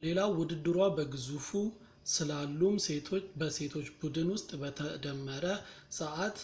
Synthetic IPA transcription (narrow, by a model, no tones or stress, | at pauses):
le̞lawʊd̪ɨd̪ːɨɾwabəɡɨzufu | sɨlalːumse̞t̪ʰo̞t͡ʃːbəse̞t̪ʰo̞t͡ʃːbud̪ɨnwʊst̪ʼbət̪ʰəd̪əmːəɾə | səʔat̪